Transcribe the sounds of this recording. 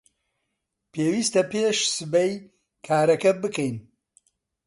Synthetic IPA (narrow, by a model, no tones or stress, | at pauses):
pʰeːwiːst̪ɐpeːʃsɨbɛj | kʰaːɾɐkɐbɨkɛjn